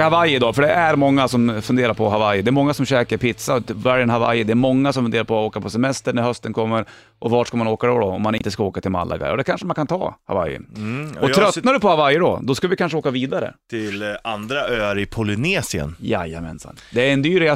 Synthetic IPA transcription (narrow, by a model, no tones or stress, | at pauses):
havajɪd̪ɑːfœɖɛʔæɾmɔŋːasɔmfɵnd̪eːɾaɾpʰɔɦavajd̪ɛæɾmɔŋːasɔmɕɛːkəɾpʰɪt̪savaɾɛnhava̰jd̪ɛːɾmɔŋːasɔmfɵd̪eːɾaɾpʰɔoːkapʰɔsɛmɛst̪əɳæɾhœst̪ənkʰɔmːəɾ | ʔɔvaʈʂkamanoːkad̪ɔd̪ɔɔmːanɪnt̪əskaoːkat̪ʰɪlma̰lːʔa̰ɡa̰ɔd̪ɛkʰanʂəmankʰant̪ʰɑ̰ːha̰va̰jːə̰ɔɾœt̪ːnadɵpɔhavajɖɔ̰d̪ɔskavɪkanʂəoːkaviːd̪aɾə̰t̪ʰɪland̪ɾaøːaɾɪpʰʊlɪneːsɪə̰nja̰ja̰mɛ̰nsa̰nd̪ɛæɾɛnd̪yːɾɪa